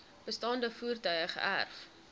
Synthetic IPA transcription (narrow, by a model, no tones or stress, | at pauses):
b̥əstɑːndəfuːrtœɥəχə̰ʔærf